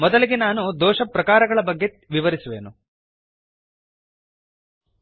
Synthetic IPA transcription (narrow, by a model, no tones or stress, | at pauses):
mɔd̪ɐliɡenaːnud̪ɔːʂɐpɾɐkaːɾɐɡɐɭɐbɐɡːe | ʋiʋɐɾisuʋe̞̰ːnu